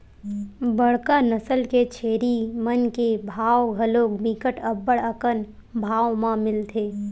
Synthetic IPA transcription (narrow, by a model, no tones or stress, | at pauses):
bəɽ̤kanəsəlket͡ʃʰeːɾimənkebʱaːwɡʱəloːkbikəʈəbːəɽəkən | bʱaːwmãmɪlt̪ʰeː